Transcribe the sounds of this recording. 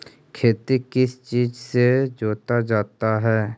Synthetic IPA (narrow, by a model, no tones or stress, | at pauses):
kʰeːt̪ikɪst͡ʃiːd͡ʒsed͡ʒoːt̪ad͡ʒaːt̪aɦɛː